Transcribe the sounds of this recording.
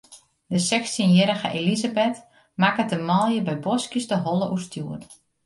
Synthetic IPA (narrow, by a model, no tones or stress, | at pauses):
dəsɛkstinjɪɾəɣəʔelizabɛt | makətəmɔlˠjəbɛjbɔskisdəɦɔlˠəʔurstʰjuət